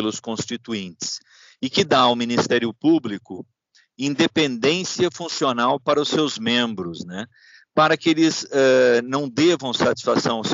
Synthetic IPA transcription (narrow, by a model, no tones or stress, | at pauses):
elʊskõst͡ʃit̪uĩnt͡ʃɪ̥s | ɪkɪd̪awminist̪ɛɾiʊpublikʊ | ĩnd̪epẽnd̪ẽsiɐfũsionawpaɾɐʊsewzmẽmbɾʊznɛ | paɾɐkɪelɪzɛnɐ̃w̃d̪evɐ̃w̃sat͡ʃi̥sfasɐ̃w̃ɐs